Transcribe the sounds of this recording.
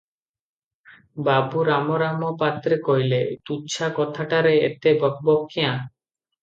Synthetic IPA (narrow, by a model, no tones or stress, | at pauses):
babuɾamɔɾamɔpat̪ɾekɔɦilet̪ut͡ʃʰakɔt̪ʰaʈaɾeet̪ebɔk̚bɔkːijã